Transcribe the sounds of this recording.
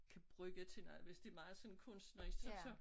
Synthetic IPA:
kʰæb̥ʁœɡ̥ət͡sʰe̝nɑʋe̝sd̥emɑ̈ːð̩ˠsɒ̽nkʰɔ̽n̰sd̥nɒi̥sɒsɒ

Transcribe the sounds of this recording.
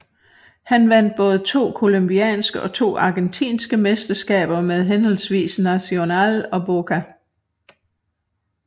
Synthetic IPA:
hænʋæn̰d̥̚b̥ɔ̽ːð̞̩ˠət͡sʰo̝̰ːkʰo̝lomb̥iɛ̰ːnsɡ̥əʔɒ̽t͡sʰo̝̰ːɑ̈ɡ̥ent͡sʰḭːnsɡ̥əmesd̥ɐsɡ̥ɛ̰ːb̥ɐmeð̞ˠɦenhɒlsʋḭːsnæso̝nɛ̰ːlɒ̽bo̝kʰæ

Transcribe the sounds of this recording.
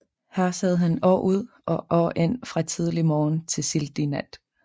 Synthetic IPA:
hæɐ̰sæð̞̰ˠɦænɒ̰ːʔuð̞̰ˠ | ʔɒ̽ʔɒ̰ːʔe̝n̰fʁɑ̈t͡sʰið̞ˠlimɒːnt͡sʰe̝lsild̥inæd̥

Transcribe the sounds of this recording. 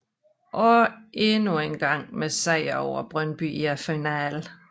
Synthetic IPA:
ʔɒ̽enuenɡ̥ɑ̈ŋ̰mesɛɪ̰ɐɒʊ̰ɐb̥ʁɶnb̥y̰æfinæl

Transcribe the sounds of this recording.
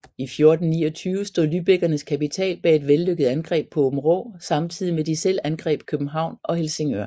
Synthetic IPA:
ifjo̝ɐd̥n̩nḭːɒt͡sʰyːʊəsd̥o̝ð̰ˠlyb̥eɡ̥ɐnəskʰæpit͡sʰɛ̰ːlb̥ɛːe̝d̥ʋelːøɡ̥əð̞̩ˠænɡ̥ʁɛ̰ːb̥̚pʰɒ̽ob̥m̩ʁo̰ːsɑ̈mt͡sʰið̰ˠimed̥isel̰ænɡ̥ʁɛ̰ːb̥̚kʰøb̥n̩ɦɑ̈ʊ̰nʔɒ̽he̝lse̝ŋøɐ

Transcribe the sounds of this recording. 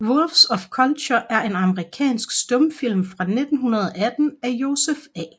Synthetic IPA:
ʋolfsɒ̽fkʰɒlɕʰɒʔæɐʔe̝nɑ̈məʁikʰɛ̰ːnsɡ̥sd̥ɔ̽mfil̰mfʁɑ̈ne̝d̥n̩ɦunɐð̞ˠɒæd̥n̩æjo̝ːsefɛ̰ː

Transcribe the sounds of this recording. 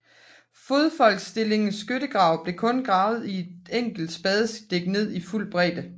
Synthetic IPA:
fo̝ð̞ˠfɒ̽l̰ɡ̥sd̥e̝le̝ŋn̩sɡ̥ødəɡ̥ʁɑ̈ʊ̰b̥le̝kʰɔ̽nɡ̥ʁɑ̈ːʊð̞̩ˠie̝d̥eŋ̰ɡ̥l̩d̥sb̥ɛð̞ˠs̚d̥e̝ɡ̥ne̝ð̞̰ˠiful̰̚b̥ʁɛ̰ːd̥ə

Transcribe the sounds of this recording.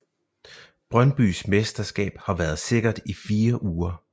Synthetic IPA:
b̥ʁɶnb̥y̰ːsmesd̥ɐsɡ̥ɛ̰ːb̥hɑ̈ʋæːɐð̞ˠse̝ɡ̥ɐd̥ifiːɐʔuːɐ

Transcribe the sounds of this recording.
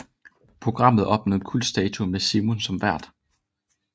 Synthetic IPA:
pʰʁo̝ɡ̥ʁɑ̈m̰ð̞̩ˠɒ̽b̥nɔð̩kʰul̰d̥sd̥ɛːt͡sʰumesimonsɒ̽mʋæɐ̰d̥

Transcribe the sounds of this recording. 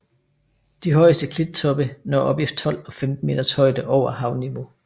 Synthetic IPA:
d̥iɦɒ̽ɪsd̥əkʰled̥̚t͡sʰɒ̽b̥ənɒ̰ːʔɒ̽b̥jifd̥̚t͡sʰɒ̽l̰ɒ̽femd̥n̩me̝̰ːd̥ɐshɒ̽ɪ̰d̥əʔɒʊ̰ɐhɑ̈ʊniʋo̝

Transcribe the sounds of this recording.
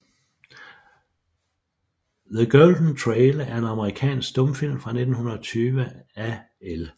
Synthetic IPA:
ðəɡ̥øːld̥n̩t͡sʰʁeːlæɐe̝nɑ̈məʁikʰɛ̰ːnsɡ̥d̥ɔ̽mfil̰mfʁɑ̈ne̝d̥n̩hunɐɒt͡sʰyːʋəæ | el

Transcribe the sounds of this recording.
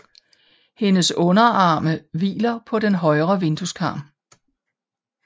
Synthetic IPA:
he̝nəsɔ̽nɐɑ̈ːməʋḭːlɐpʰɒ̽d̥enɦɒ̽ɪʁɐʋe̝nd̥uskʰɑ̰̈ːm

